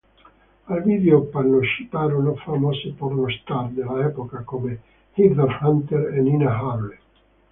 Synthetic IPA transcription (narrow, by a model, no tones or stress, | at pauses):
alvid̪eopanoʃipaːɾonofamɔsepornost̪ard̪elːaɛpokakome | hid̪eɾhant̪eɾeninaɦawle